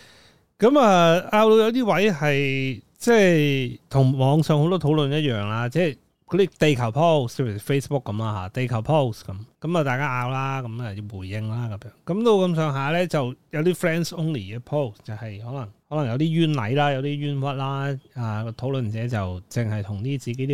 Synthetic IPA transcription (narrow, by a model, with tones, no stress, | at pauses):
kɐ˨˥mɐː˨˧ʔaː˧wlo˨˧wjɐ˧wt̪̬iː˥wɐ˨˥jhɐ˨j | t͡sɛ˥˩t̪ʰʊ˨˩ŋmɔː˨˧ŋsœː˨ŋho˧wt̪ɔː˥t̪ʰo˨˥wlɵ˨njɐ˥t̚jœː˨ŋlaː˧t͡sɛː˥˩ | kɔː˨˧˥d̪iː˥t̪e˨jkʰɐ˨˩wpʰo˥˩wst͡sɛ˥pʰːfe˥jsbʊ˥kːɐ˨˦maː˧ɦa̰ː˨˧t̪e˨jkʰɐ˨˩wpʰo˥˩wskɐ˨˦mkɐ˨˦mɐː˨˩t̪aː˨jkaː˥ʔaː˧wlaː˥kɐ˨˧˥mɐ˨jwuː˨˩jːɪ˧ŋlaː˥kɐ˨˦mjœː˨˥ŋkɐ˨˥mt̪o˧wkɐ˧msœː˨˧ŋɦaː˨˧lɛː˥t͡sɐ˨wjɐ˨˧wt̪iː˥fɹɛː˥nso˥nliː˨˩kɛː˧pʰo˥˩wst͡sɐ˨whɐ˨jhɔː˨˥lɐ˨˩ŋhɔː˨˥lɐ˨˩ŋjɐ˧wt̪iː˥jyː˥nlɐ̰˨˥jlaː˥jɐ˨˧wt̪iː˥jyː˥nwɐ˥t̚laː˥aː˨˧kɔː˧t̪ʰo˨˥wlɵ˨nt͡sɛː˨˥t͡sɐ˨wt͡sɪ˨˩ŋhɐ˨jt̪ʰʊ˨˩ŋt̪iː˥t͡siː˨ke˨˥t̪i˥